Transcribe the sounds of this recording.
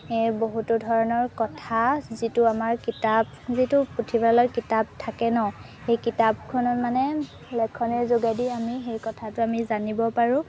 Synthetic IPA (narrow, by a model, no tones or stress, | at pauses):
ɛboɦutudʱɔɹɔnɔɹkɔtʰazitʊamaɹkitab̚ | zitʊpɹotʰibalɔkitab̚tʰːakɛnɔ | xejkitab̚kʰɔnɔtmanɛ | lɛkʰːɔnɛɹzoɡajdiamixejkɔtʰatʊamizanibɔpaɹʊ̃